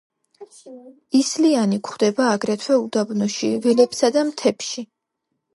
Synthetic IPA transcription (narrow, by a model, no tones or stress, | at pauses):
islianikʰχd̪ɛbaːɡɾɛt̪ʰwɛud̪abnɔʃivɛlɛpsad̪amt̪ʰɛpʃi